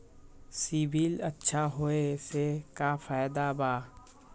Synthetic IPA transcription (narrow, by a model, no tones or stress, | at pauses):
sibilətːʃʰaɦoesekafaːjd̪abaː